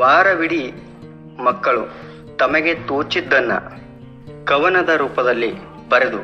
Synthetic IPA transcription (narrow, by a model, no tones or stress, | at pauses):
ʋaːɾɐʋiɽi | mɐkːɐɭu | t̪ɐmɐɡe̞t̪oːt͡ʃid̪ːɐnːɐ̰ | kɐʋɐnɐd̪ɐɾuːpɐd̪ɐlːi | bɐɾed̪u